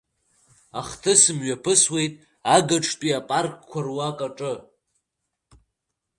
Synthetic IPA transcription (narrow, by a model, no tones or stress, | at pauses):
aχtʰɨsɨmɥapʰɨswe̞jtʼ | aɡaʈ͡ʂʰpʼiapʼarkʼkʷʰarwakʼaʈ͡ʂʼɨ